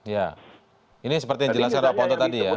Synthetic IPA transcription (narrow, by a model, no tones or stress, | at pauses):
ja | inisəpərt̪ijaŋd͡ʒəlaskaɾapaɔnt̪ɔt̪adija